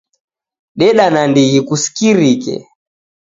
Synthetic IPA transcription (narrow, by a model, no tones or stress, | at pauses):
ɗɛɗanandiɣikusi̥kiɾikɛ̰